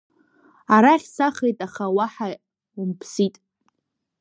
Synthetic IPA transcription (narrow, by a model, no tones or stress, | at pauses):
aɾaχʲsaχejtʼaχawaħa | umpʰsitʼ